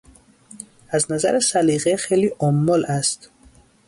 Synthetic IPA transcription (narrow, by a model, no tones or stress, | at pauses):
æznæzæ̰ɾesæliɣexeliʔɔmːɔlæst̪